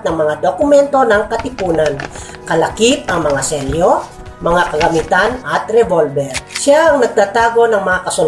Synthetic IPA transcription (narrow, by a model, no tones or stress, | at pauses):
t̪̚nɐŋmɐŋad̪okʊmɛnt̪o̞nɐŋkɐt̪ɪpuːnan | kɐlakip̚ɐŋmɐŋasɛljo | mɐŋakɐɡɐmit̪anɐt̪ɾɛvolbɛɾʃjaʔɐŋnɐɡ̚t̪aːt̪aːɡo̞nɐŋmɐŋakɐsʊl